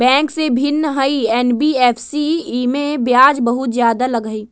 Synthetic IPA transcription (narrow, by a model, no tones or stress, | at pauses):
bɛ̃ːŋksebʱɪnːəɦəiɛːnbiɛːpʰsiimẽbjaːd͡ʒbəɦʊt̪zjaːd̪alɐɡəi